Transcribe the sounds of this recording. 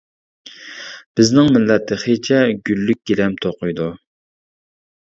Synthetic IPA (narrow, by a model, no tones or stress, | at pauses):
b̥ɪznɪŋmɪlːɛt̪ʰːɪχet͡ʃʰɛɡʲylːyk̚ʲɡ̥ʲiɾɛmt̪ʰoqʊjd̪u